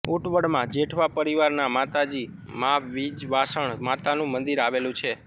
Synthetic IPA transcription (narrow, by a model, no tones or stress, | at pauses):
uʈʋəɽmãd͡ʒeʈʰʋapəɾiʋaɾnamat̪ad͡ʒi | maʋid͡ʒʋasəɳmat̪anũmənd̪iɾaʋelũt͡ʃʰe